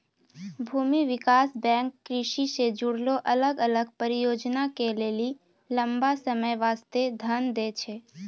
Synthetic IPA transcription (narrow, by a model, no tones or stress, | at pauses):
bʱumiʋɪkasbɛ̃ŋkːɾɪʃised͡ʒuɽloʔələɡələɡpəɾijod͡ʒnakeleli | ləmbasəməjʋast̪ed̪ʱənd̪et͡ʃʰe